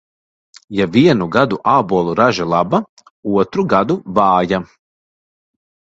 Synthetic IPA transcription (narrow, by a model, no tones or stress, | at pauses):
javiɛnuɡad̪uʔaːbuɔlˠuɾaʒalˠaba | uɔt̪ɾuɡad̪uvaːja